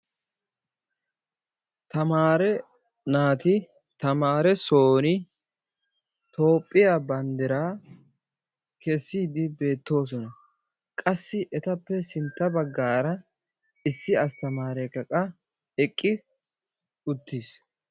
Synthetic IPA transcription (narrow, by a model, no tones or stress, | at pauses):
t̪ɐmaːɾɛ | naːt̪ɪ | t̪ɐmaːɾɛso̞ːnɪ | t̪o̞ːpʼːɪjabɐnd̪ɛɾaː | kɛsːiːd̪ɪbe̞ːt̪ːo̞ːs̬ɔnɐ | kʼɐsːɪʔɛt̪ɐpːɛsɪnt̪ːɐbɐɡːaːɾɐ | ɪsːɪɐst̪ɐmaːɾɛkɐkʼɐ | ɛkʼːɪ | ʊt̪ːis